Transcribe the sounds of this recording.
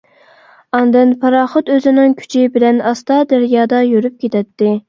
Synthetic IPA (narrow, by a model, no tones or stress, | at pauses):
ɑnd̪ɪnpʰɑɾɑːχʊt̪øzɪnɪŋkʲʰy̥t͡ʃʰibɪlɛnɑst̪ɑd̪ɛɾjɑːd̪ɑjøɾyp̚kʲʰet̪ʰɛt̪ːɪ